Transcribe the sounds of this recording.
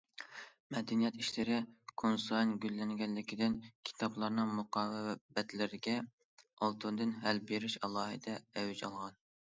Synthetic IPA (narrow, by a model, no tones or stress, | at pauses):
mɛd̪ɪnijɛt̪iʃlɪɾɪkʰonsɑjnɡʲylːɛŋɡʲɛnlːɪkʲid̪ɪnkʲʰi̥t̪ʰɑblˠɑɾnɨŋmuqɑːwbɛt̪lɪɾɪɡʲɛ | ɑlˠt̪ʰund̪ɨnɦælbeɾɪʃɑlˠɑːɦɨ̰d̪ɛɛwd͡ʒɑlˠʁɑn